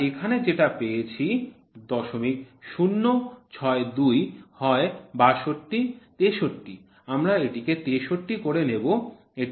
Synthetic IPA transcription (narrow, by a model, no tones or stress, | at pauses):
ekʰaned͡ʑeʈapejet͡ɕʰi | d̪ɔʃomik̚ʃunːot͡ɕʰɔed̪ujhɔebaʃoʈːit̪eʃoʈːi | amɾaeʈiket̪eʃoʈːikoɾenebo | e